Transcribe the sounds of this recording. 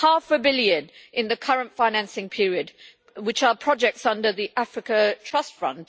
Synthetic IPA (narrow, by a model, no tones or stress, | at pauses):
hɑˑfəbɪljɨdʔɪ̃nðɨkʰʌɹə̃ntfaɪ̃næ̃nsɪ̃ŋpʰɪɹiɨd̚ | wɨt͡ʃəpʰɹ̥ɒd͡ʒɛk̚tsʌ̃ndə˞ðiʔæfɹɪkətʰɹ̥ʌstfɹʌ̰̃nʔ